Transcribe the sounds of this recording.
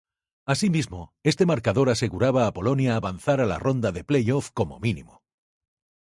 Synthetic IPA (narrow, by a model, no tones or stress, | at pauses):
asimizmoe̞st̪e̞maɾkaðo̞ɾase̞ɣuɾaβaːpo̞lo̞njaːβan̟θaɾala̰ro̞nd̪aðe̞ple̞jo̞fko̞mo̞̰minḭmo